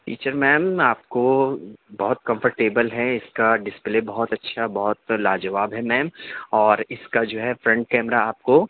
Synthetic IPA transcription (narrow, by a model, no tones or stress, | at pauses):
ʈḭːt͡ʃəɾmɛ̃ːmaːp̚kobɔɦʊt̪̚kɐ̃mfəɾʈeːbəlɦɛɪskaɖɪsplebɔɦɔt̪ɐtːʃʰabɔɦɔt̪laːd͡ʒɐʋaːbɦɛmɛ̃ːmɔːɾɪskad͡ʒoːɦɛfɾɛ̃ɳʈ̚kɛːmɾaaːp̚ko